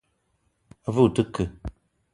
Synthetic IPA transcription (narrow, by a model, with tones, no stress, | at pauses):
a˦vu˦˨tɨ˦kɨ˨